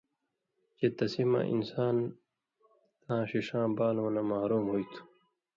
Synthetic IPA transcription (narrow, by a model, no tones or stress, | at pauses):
t͡ɕet̪ɐsima̰ʔḭnsaːn | t̪ãːɕiʂãːbaːlõːnɐmaːɾuːmɦoːit̪ʰu̥